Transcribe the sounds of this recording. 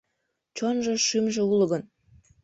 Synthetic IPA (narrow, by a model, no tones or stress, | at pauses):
t͡ɕonʒoʃymʒĕuləɣə̆n